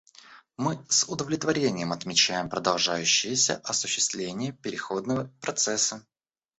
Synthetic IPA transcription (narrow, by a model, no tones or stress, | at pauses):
mɨsʊd̪əvlʲɪt̪vɐɾʲenʲɪjəmɐt̪mʲɪt͡ɕæjɪmpɾəd̪ɐlˠʐajʉɕːɪjəsʲə̰ʔɐsʊɕːɪ̥st̪vlʲenʲɪjəpʲɪɾʲɪxo̞d̪nəvəpɾɐt̪sɛsːə